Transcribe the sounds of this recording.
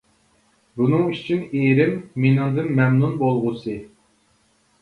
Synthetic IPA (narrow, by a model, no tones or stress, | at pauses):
bunɨŋyt͡ʃʰineɾɪmːenɨŋd̪ɨnmɛmnunbolˠʁʊsɨ